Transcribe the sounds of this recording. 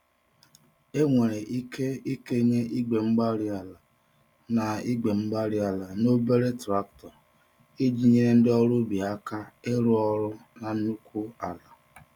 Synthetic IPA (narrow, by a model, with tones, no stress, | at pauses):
e˦ŋʷe˨ɾe˨ʔi˦kʰe˦i˦ke˦ɲe˦ʔi˦ɡ͡be˨ŋ͡m̩˦ɡ͡ba˦ɾi˦a˨la˨ | na˨i˦ɡ͡be˨ŋ͡m̩˦ɡ͡ba˦ɾɪ˦a˨la˨no˦be˦ɾe˦tɾa˦k̚tɔ˨ | e˦d͡ʒi˦ɲe˦ɾe˦n̩˦dɪ˦ɔ˦ɾʊ˦bi˨a˦ka˦e˦ɾʊ˦ɔ˦ɾʊ˦na˨n̩˦nu˦kʰʷu˦a˨la˨